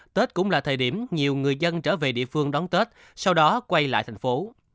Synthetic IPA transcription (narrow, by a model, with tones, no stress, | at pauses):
t̪əː˦˥t̚kʊ̰˧˥ŋ͡mlaː˨˩t̪ʰəː˨˩ɗi˧˩əmɲi˨˩əwŋɨ˨˩əjzə˧nt͡ɕəː˧˩ve˨˩ɗḭ˧˨əfɨ˧əŋɗɔ˨˦nt̪əː˦˥t̚ | sa˧wɗɔ˨˦kwa˧jla̰ː˧˨jt̪ʰa˨˩ŋfo˨˦